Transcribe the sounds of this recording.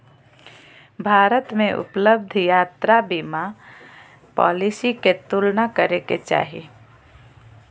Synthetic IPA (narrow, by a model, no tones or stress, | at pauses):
bʱaːɾət̪mẽʔʊ̰pləbd̪ʱjaːt̪ɾabima | pɔ̰ːlisiket̪ulnakəɾeket͡ʃa̰ːɦḭ